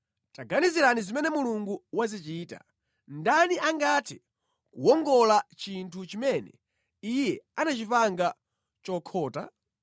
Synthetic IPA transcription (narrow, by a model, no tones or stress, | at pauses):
taɡaniziɾanizimɛnɛmuluŋɡuwazit͡ʃiːta̰ | ndaniʔaŋɡatʰi | kuwɔŋɡɔlat͡ʃintʰut͡ʃimɛnɛ | ijɛanat͡ʃipaŋɡa | t͡ʃɔkʰɔːta̰